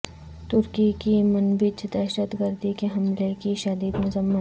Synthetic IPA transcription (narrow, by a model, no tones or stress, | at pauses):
t̪ʊɾkikimɐnbɪt͡ʃd̪ɛːʃət̪ɡəɾd̪ikeɦɐmlekiʃɐd̪iːd̪mʊzəmːət̪